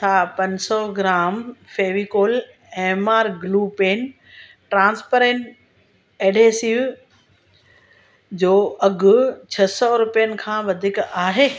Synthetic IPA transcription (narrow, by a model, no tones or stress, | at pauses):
saːpɐ̃ɲsɔɡɪɾaːmfeːʋikoːl | eːmaːɾɡluːpeːn | ʈɾãːnspəɾẽɳʈ | eːɖeːsiʋ | d͡ʑoːɐɡʊt͡ɕʰɐsɔɾʊpijənɪ̆kʰãːʋɐd̪ʱikaːɦeː